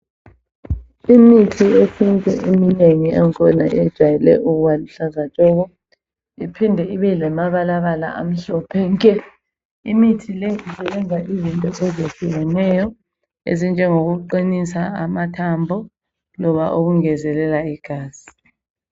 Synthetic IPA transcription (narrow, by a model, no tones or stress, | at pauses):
imitʰiefintʼɛ̰ʔemineŋiɛŋkʰɔnaɛd̥ʒ̥ʱwajɛlɛ̰ʔuɣuβaliɬazat͡ʃʼɔɣɔ | ipʰindʱɛiβɛlɛmaβalaβala̰ʔa̰m̩ɬɔpʰɛŋkʼɛ | imitʰilɛizɛlɛŋaʔizintʼɔʔezesiwɔnɛjɔ | ḛzind͡ʒʱɛŋoɣuǃinisaamatʰambʱɔ | lɔβaʔoɣuŋɛzɛlɛlaiɡ̥ʱaːz̥i